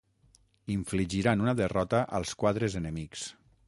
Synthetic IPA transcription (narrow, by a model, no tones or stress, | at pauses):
iɱfliʒiɾanunəðərɔt̪əʔəlˠskwaðɾezənəmiks